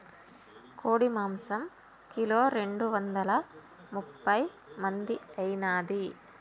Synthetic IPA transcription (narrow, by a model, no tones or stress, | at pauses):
koːɽimaːmsɐm | kiloːɾeɳɖuʋɐnd̪ɐlɐ | mupːɐj | mɐnd̪iɐjnaːd̪i